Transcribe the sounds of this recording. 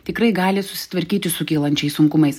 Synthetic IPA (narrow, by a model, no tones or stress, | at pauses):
t̪ʲɪkɾɐɪɡɑːlʲɪsʊsʲɪ̥t̪ʋɐɾʲkʲiːt̪ʲɪsʊkʲiːlˠɐnʲt͡ʃʲɛɪssʊŋkʊmɐɪs